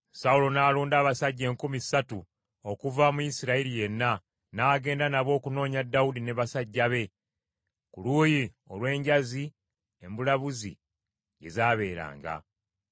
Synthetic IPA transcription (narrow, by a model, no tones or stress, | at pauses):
saulo̞naːluːndaːβasaɟːe̞ːŋkumisatu | o̞kuvamujisiɾaiɾije̞nːa | naːɡe̞ːndanaβo̞ːkuno̞ːɲadːaudineβasaɟːaβe̞ | kuluːji | o̞lwe̞ːɲɟazi | e̞mbulaβuzi | ɟe̞̰zaːβe̞ːɾa̰ːŋɡa̰